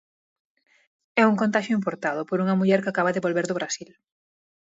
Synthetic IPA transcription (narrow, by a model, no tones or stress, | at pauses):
ɛuŋkõnt̪aʃjʊimpoɾt̪aðʊpoɾuŋɐmuʎɛɾkakaβɐðeβolβeɾðoβɾasil